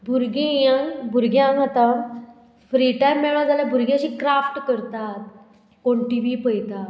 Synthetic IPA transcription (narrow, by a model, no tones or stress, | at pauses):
bʱuɾɡĩjãbʱuɾɡjãɡat̪ã | fɾiːʈajmːeɭãd͡zaljabʱuɾɡjãɕiːkɾafʈkəɾt̪at̪̚ | koɳʈiʋiːpəjt̪a